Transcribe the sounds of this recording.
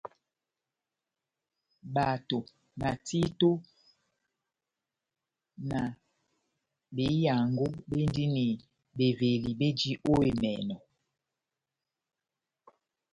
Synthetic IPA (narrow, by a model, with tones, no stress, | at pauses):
ba˨to˨ | na˨ti˦to˦ | na˨ | be˨˦ja˨ŋɡo˦be˦n˦di˦ni˨ | be˨ve˨li˨be˦d͡ʒi˦ʔo˦e˨mɛ̰˨nɔ˨